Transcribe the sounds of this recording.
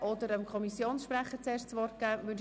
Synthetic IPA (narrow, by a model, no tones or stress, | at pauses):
ʔɔd̪əɾəmkʰɔmisjoːnsʃprɛχət͡seːɾʃt͡sʋɔrt̚ɡ̥ɛːvød